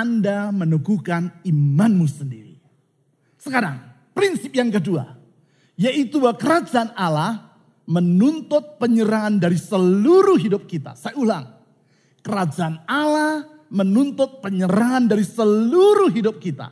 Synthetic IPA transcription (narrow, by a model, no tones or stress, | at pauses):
andamənuɡukanimanmusəndiɾḭ | səkaɾa̰ŋ | pɾinsɪp̚jaŋkədua̰ | jaʔit̪ubawkəɾad͡ʒaʔːnalah | mənunt̪ʊt̪̚pəɲəɾaŋandaɾisəluɾʊhɦidʊp̚kit̪a̰sajaulaŋ | kəɾad͡ʒaʔanalah | mənunt̪ʊt̪̚pəɲəɾaŋandaɾisəluɾʊhɦidʊp̚kit̪a̰